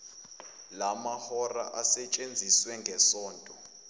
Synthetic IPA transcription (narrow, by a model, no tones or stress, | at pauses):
lamahɔra̰ʔasɛt͡ʃʼend͡zʱiswɛŋɡʱɛsɔːntʼɔ